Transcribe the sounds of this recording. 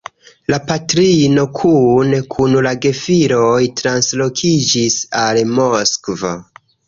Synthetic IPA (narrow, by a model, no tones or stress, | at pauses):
lapatɾino̞kʰunkʰunlaɡe̞fiɾojtɾanslo̞kʰid͡ʒisalmo̞skva̰